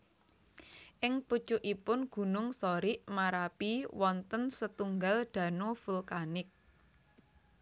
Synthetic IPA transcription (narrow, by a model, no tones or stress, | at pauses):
ʔɪŋpud̥t͡ʃʊʔipʊnɡ̥ṳnʊŋsoɾiʔmaɾapiwɔnt̪ənsət̪uŋɡalɖ̪̥ä̤nofulkanɪk̚